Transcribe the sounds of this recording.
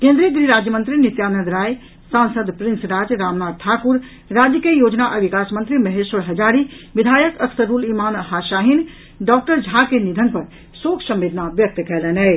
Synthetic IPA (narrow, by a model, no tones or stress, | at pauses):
kẽnd̪ɾiəɡɾiɾad͡ʒjəmənt̪ɾinit̪janəd̪ɾaj | sãnsəd̪pɾinsɾad͡ʒɾamnad̪̚t̪ʰakuɾ | ɾad͡ʒjəkiejod͡ʒnaʔəbikasmənt̪ɾiməɦesəɽɦəd͡ʒaɾiʋid̪ʱajəkəkʰsəɾulimanəɦaʃaɦin | ɖɔk̚ʈəɾd͡ʒʱakenid̪ʱənpəɾ | soksə̃mʋed̪ʱnabjək̚t̪kɛlɛnɛj